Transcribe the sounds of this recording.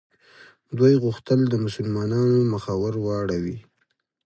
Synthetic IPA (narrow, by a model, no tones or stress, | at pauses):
d̪wujɣʊxt̪əld̪əmʊsʊlmɑnɑnoməxawəɾwɑɽawi